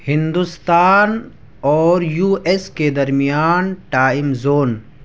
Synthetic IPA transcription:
hɪ̃nd̪ust̪aːn | ɔːɾjuːesked̪ɐɾmijaːnʈaːɪmzoːn

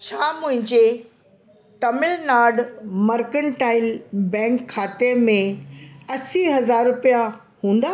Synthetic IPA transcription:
t͡ɕʰaːmʊ̃ɦɪ̃ɲd͡ʑe | ʈɐmɪlnaːɖmɐɾkəɳʈaːɪlbɛ̃ːŋkʰːaːt̪emẽɐsiɦɐzaːɾːʊpija | hũːn̆d̪aː

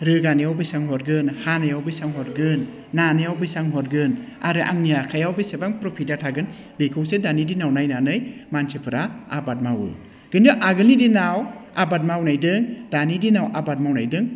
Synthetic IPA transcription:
ɾɯɡanijawbɯjsaŋɦɔɾɡɯnhanajawbɯjsaŋɦɔɾɡɯnː | anɯjawbɯjsaŋɦɔɾɡɯn | aɾɯʔa̰ŋnijakʰajawbisebaŋpɾopʰidatʰaɡɯn | likʰɯwsedanidinawnajnanɯjmansʰepʰɯɾaabat̚mawɯ̰ | ɡ̥ɯndɯʔaɡɯlidinawabat̚mawnajdɯŋd̥anidinawʔabat̚mawnajdɯŋ

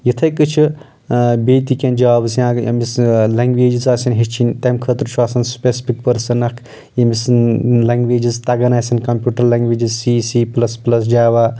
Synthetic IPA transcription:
jit̪ʰɐjkɨt͡ʃʰɨ | beːt̪ikʲend͡ʒaaːbɨsijãːɐ̰mislɐŋɡʋeːd͡ʒizaːsinɦet͡ʃʰinʲt̪ɐmkʰət̪ɾt͡ʃʰuaːsɐnspʲesi̥pʰik̚pɐɾsɐnɐkʰ | jimislɐŋɡʋeːd͡ʒizt̪ɐɡɐnaːsɐnkɐmpʲjuːʈɐɾlɐŋɡʋeːd͡ʒizsiːsiːplɐsplɐs̬d͡ʒaːʋaː

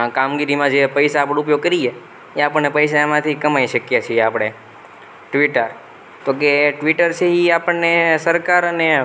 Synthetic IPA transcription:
kamɡiɾimãd͡ʒepəjsaːpɽ̃up̬joɡ̚kəɾie | eapəɳnepəjʃ̬aemãt̪ʰikəmajʃəkjet͡ʃʰijeapɽ̃e | ʈʋiʈəɾ | t̪ok̬eʈʋiʈəɾt͡ʃʰeiapəɳnesəɾkaɾəne

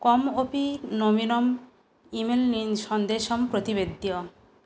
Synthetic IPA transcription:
kɔmopinominom | imelninʃɔnd̪eʃɔmpɾot̪iβed̪ːiɔ

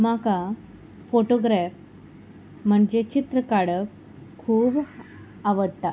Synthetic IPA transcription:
maka | foʈoɡɾɛf | m̤əɳd͡ʑet͡ɕit̪ɾəkaɽəf | kʰuːb | aʋəɽt̪a

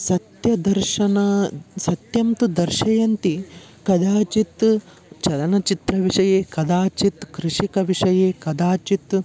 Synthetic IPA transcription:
sɐt̪jɐd̪ɐɾʃɐnɐsɐt̪jɐmt̪ud̪ɐɾʃɐjɐnt̪i | kɐd̪aːt͡ʃit̪ | t͡ʃɐlɐnɐt͡ʃit̪ɾɐʋiʂɐjeːkɐd̪aːt͡ʃit̪kɾiʂikɐʋiʂɐjeːkɐd̪aːt͡ʃit̪

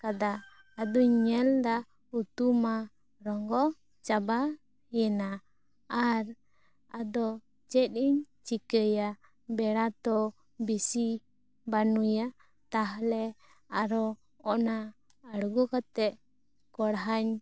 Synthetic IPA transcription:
kad̪aː | d̪ɔɲɛld̪a | ut̪uma | ɾɔŋɡɔ | t͡ʃaba | jɛnaː | ɾ | ad̪ɔ | t͡ʃɛt̪̚iɲ | t͡ʃikəja | bɛɽat̪ɔ | bisi | banuja | t̪aɦlɛ | aɾɔ | ɔʔna | əɽɡɔkat̪ɛʔ | kɔɽɦaɲ

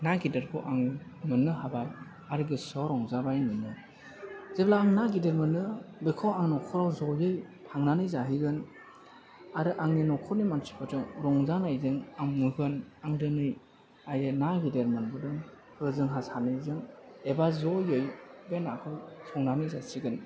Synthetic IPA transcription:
naɡideɾkʰɯʔaŋmɯnːɯɦabaj | aɾɯɡɯsɔɾɔŋzabajnɯnɯ | z̥eblaːŋnaɡideɾmɯnɯbekʰɔwaŋnɔkʰɔɾawzɔjɯjpʰaŋnanɯjzaɦiɡɯn | aɾɯʔaŋninɔkʰɔɾnimansi̥pʰɔtɯŋɾɔŋzanajzɯŋaŋŋɯhɯnaŋdɯnɯj | ajɯnaɡideɾmɯnbɯdɯŋ | hɯzɯŋɦasanɯjzɯŋebazɔjɯjbenakʰɯwsʰɔŋnanɯjzasiɡɯn

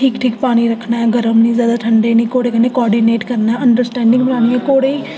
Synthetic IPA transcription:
ʈʰiːkʈʰiːkpaːñiːɾəkʰnaːɦɛːɡəɾəmnĩːzjaːd̪aːʈʰəɳɖeːnĩːkoːɽeːkəneːkɔːɾɖineːʈkəɾnaɛːəɳɖəɾsʈɛ̃ːɳɖɪ̃ŋɡbənaːniːɛːkoːɽeːi

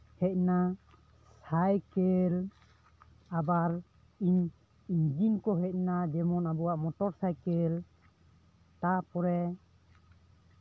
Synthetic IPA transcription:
hɛc̪̚na | sajkɛl | abaɾ | iɲ | iɲd͡ʒinkɔɦɛc̪̚nad̪ɛmɔnabɔwaʔmɔʈɔɾsajkɛl | t̪apɔɾɛ

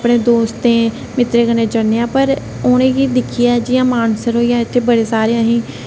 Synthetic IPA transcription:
pɽ̃eːd̪oːst̪ẽː | mɪt̪ɾeːɡəneːd͡ʒənejãːpəɾ | oːnẽːɡiːd̪ɪkʰɪjaːd͡ʒɪjãːmaːnsəɾɦoːijaːɪt̪ʰːeːbəɽeːsaːɾeãːɦĩː

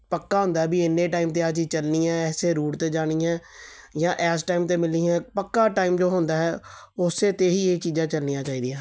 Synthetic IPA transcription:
pəkːaːɦõːnd̪aɦɛːbiːɪnːeːʈaːimt̪eːad͡ʒit͡ʃəlniːɛ̃ːɛːseːɾuːʈt̪eːd͡ʒaːɽ̃iːɛ̃ːjãːʔɛːsʈaːimt̪eːmɪliːɛ̃ːpəkːaːʈaːiːmd͡ʒoːɦõnd̪aːɦɛː | ʊseːt̪eːɦiːeːt͡ʃiːd͡ʒãːt͡ʃəlniːjãːt͡ʃaːiːd̪iãː

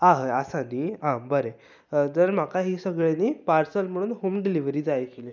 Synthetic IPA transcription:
aɦəasaniːɦãbəɾe | d͡zəɾm̤akaɦiːsəɡɭeniːpaɾsəlm̤əɽ̃uːnɦuːmɖiliʋɾiːd͡zajkele

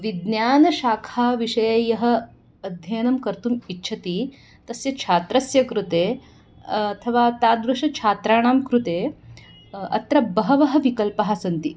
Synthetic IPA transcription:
ʋid̪njaːnɐʃaːkʰaːʋiʂɐjɐjɐɦɐ̆ | ɐd̪ʱjɐjnɐmkɐɾt̪umitːʃʰɐt̪i | t̪ɐsjɐt͡ʃʰaːt̪ɾɐsjɐkɾut̪eː | ɐt̪ʰɐʋaːt̪aːd̪ɾɐʃɐt͡ʃʰaːt̪ɾaːɳaːmkɾut̪eː | ɐ̰t̪ɾɐbɐɦɐʋɐɦɐ̆ʋikɐlpɐɦasɐnt̪i

